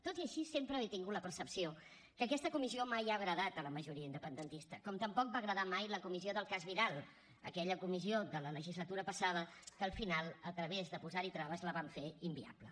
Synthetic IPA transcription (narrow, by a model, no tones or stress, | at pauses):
t̪ot̪iəʃisempɾəːβit̪iŋɡut̪ləpəɾsəpsio | kəkɛst̪əkumiziomajaɣɾəðat̪̚ələməʒuɾiəind̪əpənd̪ənt̪ist̪əkɔmt̪əmpɔk̚baɣɾəðamajləkumizioðəlˠkazβiɾalˠ | ə̰kɛʎəkumiziod̪ələləʒizlət̪uɾəpəsað̞əkəːlˠfinalˠət̪ɾəβezðəpuzaɾit̪ɾaβəzləβaɱfeimbia̰blə